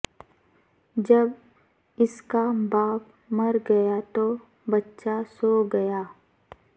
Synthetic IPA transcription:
d͡ʒɐb | ɪskabaːp | mɐɾɡɐjat̪o | bɐtːʃasoɡɐjaː

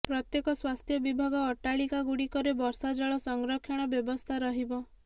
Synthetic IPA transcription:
pɾɔt̪jekɔswast̪ʰjɔbibʱaɡɔːʈaɭikaɡuɽikɔɾebɔɾsad͡ʒɔɭɔsɔŋɡɾɔkʰːjɔɽ̃ɔbjɔbɔst̪ʰaɾɔɦibɔ

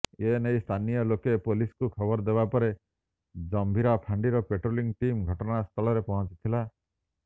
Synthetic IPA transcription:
enejst̪ʰanijɔlokepoliskukʰɔbɔɾd̪ebapɔɾe | d͡ʒɔmbʱiɾapʰaɳɖiɾɔpeʈɾoliŋɡʈimɡʱɔʈɔnast̪ʰɔlɔɾepɔɦɔ̃t͡ʃi̥t̪ʰila

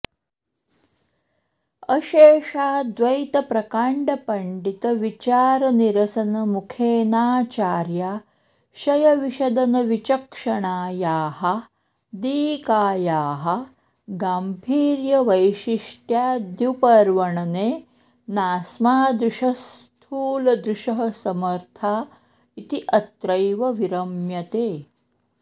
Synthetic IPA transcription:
ɐʃeːʂaːd̪ʋɐjt̪ɐpɾɐkaːɳɖɐpɐɳɖit̪ɐʋit͡ʃaːɾɐniɾɐsɐnɐmukʰeːnaːt͡ʃaːɾjaː | ʃɐjɐʋiʃɐd̪ɐnɐʋit͡ʃɐkʂɐɳaːjaːhɐ | d̪iːkaːjaːɦɐ | ɡaːmbʱiːɾjɐʋɐjʃiʂʈjaːd̪jupɐɾʋɐɳɐneː | naːsmaːd̪ɾuʃɐst̪ʰuːlɐd̪ɾuʃɐɦɐsɐmɐɾt̪ʰaː | it̪iʔɐt̪ɾɐjʋɐʋiɾɐmjɐt̪eː

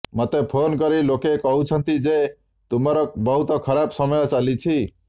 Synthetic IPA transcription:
mɔt̪epʰonkɔɾilokekɔɦut͡ʃʰənt̪id͡ʒe | t̪umaɾɔk̚bɔɦut̪ɔkʰəɾabsɔmɔjɔt͡ʃalit͡ʃʰi

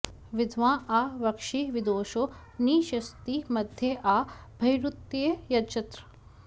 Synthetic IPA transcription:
ʋɪd̪ʱʋãːʔaːʋɐkʃiʋid̪oːʃo | niːʃɐst̪imɐd̪ʱjeʔaːbʱɐjɾut̪ːejɐt͡ʃɐt̪ɾɐ̥

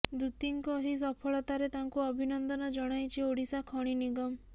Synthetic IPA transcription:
d̪ut̪iŋkɔɦis̬ɔpʰɔɭɔt̪aɾet̪aŋkuɔbʱinɔnd̪ɔnɔd͡ʒɔɽ̃ajt͡ʃʰioɽisakʰɔɽ̃iniɡɔm

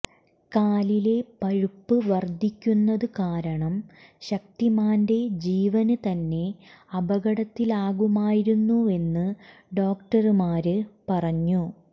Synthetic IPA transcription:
kaːlile̞pɐɻupːɨʋɐrd̪ʱːikʲːunːɐðɨkaːɾɐɳɐmɕɐk̚t̪imaːnde̞d͡ʑiːʋɐnɨt̪ɐnːe̞ɐbɐɣɐɽɐt̪ːilaːɣumaːjiɾunːue̞nːɨɖo̞ːk̚ʈɐɾmaːɾɨpɐrɐɲːu

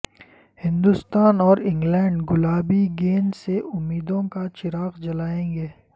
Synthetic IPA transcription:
hɪ̃nd̪ust̪aːnɔːɾɪ̃ŋɡlɛ̃ːɳɖɡʊlaːbiɡeːnseʔʊmːiːd̪õkat͡ʃɪɾaːqd͡ʒɐlaːẽːŋɡeː

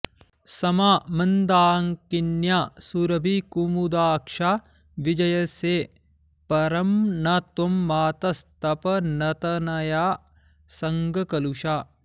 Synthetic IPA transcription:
sɐmaːmɐnd̪aːŋkinjaːsuɾɐbʱikumud̪aːkʃaː | ʋid͡ʒɐjɐse | pɐɾɐmnɐt̪omːaːt̪ɐst̪ɐpɐnɐt̪ɐnɐjaː | sɐŋɡɐkɐluʃaː

